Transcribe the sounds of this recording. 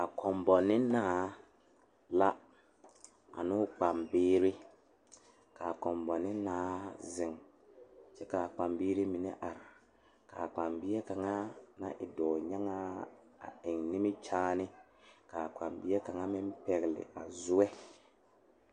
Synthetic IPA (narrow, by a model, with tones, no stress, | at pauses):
a˨kʰɔ˨mbɔ˨nɪ˦naː˦ | la˦ | a̰˨nʊ˦k͡pa˨mbɪː˦ɾɪ˦ | ka˨kɔ˨mbɔ˨nɪ˦naː˦zɪ˨ŋ | t͡ʃɛ˦ka˨k͡pa˨mbiː˦ɾɪ˦mi˨nɛ˦ʔa˨ɾɪ˨ | ka˨k͡pa˨mbi˦ɛ˦ka˨ŋa˦na˨ʔɪ˨dɔː˨ɲa˦ŋa˦ | a̰˨ɪ˨ŋnɪ˦mɪ˦t͡ʃaː˦nɪ˦ | ka˨k͡pa˨mbi˦ɛ˦ka˨ŋa˦mɪ˦m˦pɛ˨ɣlɪ̰˨ʔa˨zʊ˦wɛ˦